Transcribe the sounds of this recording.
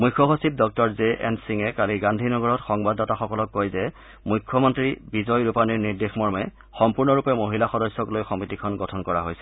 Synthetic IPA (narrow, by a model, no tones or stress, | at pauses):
mujkʰːɔxosip̚dɔk̚tɔɹzeʔɛnsiŋɛkaliɡandʱinɔɡɔɹɔtxɔŋbadɔtaxɔkɔlɔkːojzɛ | mujkʰːɔmɔntɹibizɔjɹupaniɹniɹdexmɔɹmɛ | xɔmpuɹnɔɹupɛmoɦilaxɔdɔsːɔklojxɔmitikʰɔnɡɔtʰɔnkɔɹa̰ɦojsɛ